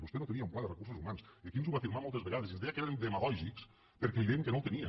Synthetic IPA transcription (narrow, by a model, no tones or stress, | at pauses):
bust̪enot̪əniaumplaðərəkursuzumansəkinzuβafiɾmamɔlˠt̪əzβeɣaðezinzðejəkeɾnd̪eməɣɔʒiks | pəɾkɛiðeŋkənowt̪əniə